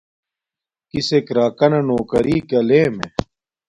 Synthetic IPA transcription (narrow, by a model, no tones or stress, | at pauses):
kisekɾaːkɐnɐnoːkɐɾiːkɐleːme